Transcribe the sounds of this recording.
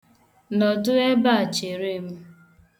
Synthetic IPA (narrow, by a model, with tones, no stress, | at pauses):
nɔ˨dʊ˦e˦ba˦a˨t͡ʃe˨ɾi˦m̩˦